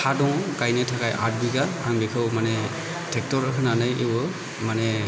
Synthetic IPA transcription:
adɔwkajnɛtʰakajʔa̰t̚biɡaaŋbɛkʰɯwmanɛ | tʰɛk̚tɔɹɔkʰɯnanajewɔ | manɛ

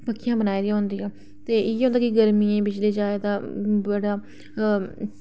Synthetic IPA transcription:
pəkʰːijãːbənaːiːd̪ĩːɦʊ̃nd̪iːɛ̃ː | t̪eːɪeːɦõːnd̪aːkɪɡəɾmiːẽːbɪt͡ʃleːd͡ʒaːed̪aːbəɽaː

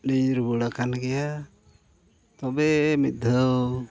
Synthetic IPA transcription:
nijɾubuɽakanɡɛja | t̪ɔbɛmit̪̚d̪ʱəw

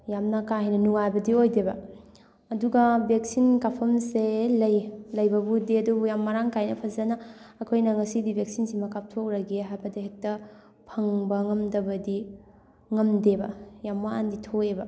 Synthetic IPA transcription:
jamnakaɦɐjnɐnuŋajbɐdiojdebɐ | ɐduɡɐbek̚sinkapʰɐmselɐjlɐjbɐbudiɐdubujamːaɾaŋkajnɐpʰɐzɐnɐːkʰojnɐŋɐsidibek̚sinsiŋmɐkap̚tʰokɾɐɡiɦajbɐdiɦek̚tɐ | pʰɐŋbɐŋɐmdɐbɐdi | ŋɐmdebɐjamwaa̰nditʰoebɐ

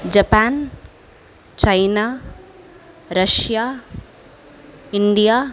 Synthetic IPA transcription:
d͡ʒɐpaːn | t͡ʃɐjnaː | ɾɐʃjaː | iɳɖijaː

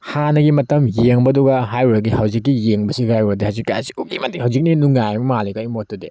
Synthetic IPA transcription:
hanɐɡimɐtɐmjeŋbɐɐduɡɐɦajuɾɐɡihawzikːijeŋbɐsiɡajɾɐdihawzikːaasi̥uk̚ːimatihawzik̚ninuŋajmɐmalikaimotode

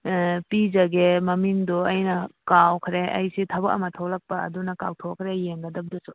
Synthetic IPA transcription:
pizɐɡemɐmiŋdɔɐjnɐkawkʰɾeʔɐ̰jsitʰɐbɐkɐ̰mɐtʰɐwlɐk̚pɐɐ̰dunɐka̰wtʰokʰɾejeŋɡɐdɐb̚dusu

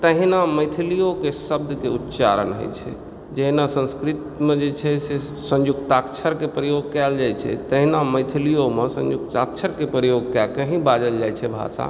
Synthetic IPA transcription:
t̪əɦinaməjt̪ʰilijokesəb̚d̪keut̪ːt͡ʃa̰ɾənɦo̰jt͡ʃʰɛ̰ | d͡ʒeɦinasə̃nskɾit̪mẽd͡ʒet͡ʃʰɛse | sə̃nd͡ʒukt̪akt͡ʃʰəɾkepɾəjoɡkɛld͡ʒajt͡ʃʰɛ̰t̪əɦinaməɪt̪ʰilijomesə̰̃nd͡ʒukt̪ak̚t͡ʃʰəɾkepɾəjoɡkɛkəɦĩbad͡ʒəld͡ʒajt͡ʃʰɛbʱa̰sa̰

